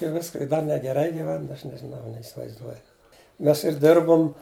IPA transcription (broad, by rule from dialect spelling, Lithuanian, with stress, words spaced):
ɪ ˈʋʲɪskɐ ɪ dɐ nʲɛɡʲɛˈrɐɪ ɡʲɪˈʋʲɛn ˈɐʃ nʲɛʒʲɪˈnɐʊ nʲɛɪsʲɪʋɐɪzˈduɔjʊ ˈmʲɛs ɪr ˈdʲɪrbʊm